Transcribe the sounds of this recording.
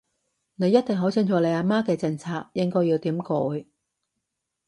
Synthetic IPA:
ne˨˧jɐ˥t̪̚ɪ˨ŋɦo˨˥t͡sʰɪ˧ŋt͡ʃʰɔː˨˧le˨˧jaː˧maː˥kɛː˧t͡sɪ˧ŋt͡sʰaː˧k̚jɪ˥ŋkɔː˥jiː˧wt̪iː˨˥mkɔː˨˧j

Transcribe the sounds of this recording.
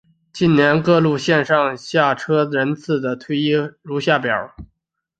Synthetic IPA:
t͡ɕi˥˩nnjɛ˧˥nkɤ˥˧lu˥˧ɕjɛ˥˧nʂɑ˥˧ŋɕja˥˩ʈ͡ʂʰɤ˥ɻə˧˥nt͡sʰɹ̩˥˩d̪ə˩t̪ʰwe˥ɪi˥ɻu˧˥ɕja˥˩pjɑ̰˨˩˦

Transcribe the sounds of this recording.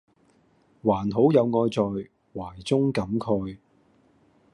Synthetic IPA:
waː˨˩nɦo˨˥wjɐ˨˧wŋɔː˧jt͡sɔː˨j | waː˨˩jt͡sʊ˥ŋkɐ˨˥mkʰɵ˧ɥ

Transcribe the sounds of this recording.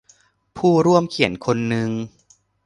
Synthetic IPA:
pʰuː˥˩ɾu˥˩əmkʰi˩˦ənkʰo˧nːɯ˧ŋ

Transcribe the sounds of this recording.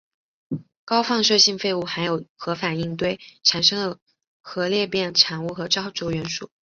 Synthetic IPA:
kɑ˥ʊfɑ˥˧ŋʂɤ˥˧ɕi˥˧ŋfe˥˧ɪu˥˩xa˧˥ɪjo˨˩ʊxɤ˧˥fa˨˩i˥˧ŋt̪we˥˩ɪʈ͡ʂʰa˨˩nʂɤ˥ŋd̪ə˨˩ | xɤ˧˥ljɛ˥˧pjɛ˥˩nʈ͡ʂʰɑ˨˩ŋu˥˩xɤ˧˥ʈ͡ʂɑ˥ʊʈ͡ʂo˥˩ʊɥɛ˧˥nʂu˥˩

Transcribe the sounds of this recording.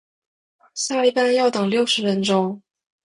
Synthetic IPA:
sa˥˧li˥˩pa˥˧njɑ˥˩ʊt̪ɤ˨˩ŋljo˥˩ʊʂɻ̩˧˥ɻə˧˥nʈ͡ʂo˥ŋ

